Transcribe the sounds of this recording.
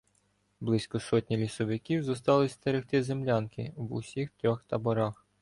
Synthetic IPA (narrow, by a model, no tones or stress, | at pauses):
blˠɪsʲkɔsɔtʲnʲilʲisɔʋɪkʲiwzɔst̪ɑlˠɪsʲt̪eɾɪxt̪ɪzemlʲɑnkɪ̰ʋʊ̰sʲixt̪ɾʲɔxt̪ɐbɔɾɑx